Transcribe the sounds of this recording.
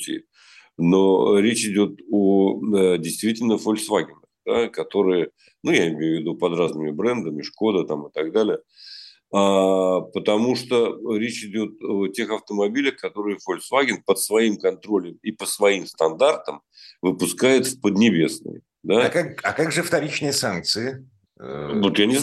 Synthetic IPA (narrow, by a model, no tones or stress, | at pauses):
tʲɪ̰ | noɾʲet͡ɕɪdʲo̞t̪odʲɪjst̪vʲitʲɪlʲnəfolʲsvaɡʲɪnəxd̪̥akɐt̪o̞ɾɨjə | nujaɪmʲejʊvʲɪd̪upɐd̪ɾaznɨmʲɪbɾɛnd̪əmʲɪʂko̞d̪ət̪amɨt̪ɐɡd̪alʲɪjə | apət̪ɐmuʂt̪oɾʲet͡ɕɪdʲo̞t̪̚otʲe̞xɐft̪əmɐbʲilʲəxkɐt̪o̞ɾɨjəfolʲsvaɡʲɪnpət̪svɐimkɐnt̪ɾo̞lʲəmipəsvɐimst̪ɐnd̪art̪əm | vɨpʊskajɪt̪fpəd̪nʲɪbʲe̞snɨ̰j | d̪akakɐkaɡʐɨft̪ɐɾʲit͡ɕnɨjəsank̚t̪sɨɪ | vot̪janʲɪz